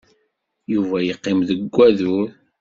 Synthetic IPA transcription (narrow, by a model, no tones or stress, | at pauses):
juvæjəqːɪmðəɡʷːæðuɾ